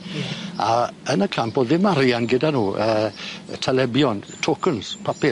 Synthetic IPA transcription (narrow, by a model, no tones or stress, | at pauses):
a̰ənəkʰamp̚boːd̪ðɪmaɾjanɡədanuːəːtʰɛlɛbjɔntʰokʰənspʰapɪ